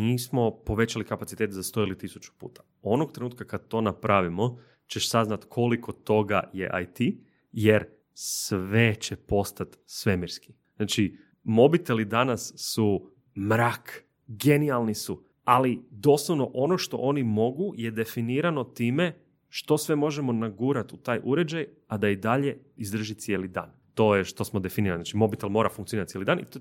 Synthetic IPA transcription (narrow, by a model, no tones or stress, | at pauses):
niːsmo̞po̞ʋe̞t͡ɕalikapatsit̪et̪zast̪o̞ilit̪isut͡ʃu̥pṵːt̪ʰḁ | o̞nok̚t̪ɾenuːt̪kakad̪̚t̪o̞napɾʔaʋimo̞ | t͡ʃeʃsaznat̪kʰo̞likʰo̞t̪o̞ɡa̰je̞̰ʔa̰jt̪i | jeɾ | sʋet͡ɕepo̞st̪at̪sʋe̞miɾski̥ | naːt͡ʃi | mo̞bit̪e̞lid̪anasːu | mɾaːk | ɡe̞nialˠnisu | alid̪o̞ːslˠoʋno̞ʔo̞no̞ʃt̪o̞̰ʔo̞ːnimo̞ɡuje̞d̪e̞finiːɾano̞t̪iːme̞ | ʃt̪o̞sʋe̞mo̞ʒe̞mo̞naɡuːɾat̪ut̪aːjʔuɾe̞d͡ʒaj | ad̪aid̪aʎe̞ | izd̪ɾr̩ʒit̪sjelid̪a̰ːn | t̪o̞jeʃt̪o̞smo̞d̪e̞finiɾaniznat͡ʃimo̞bit̪elˠmo̞ɾafuŋkt̪ioiɾat̪jelid̪aːnḭ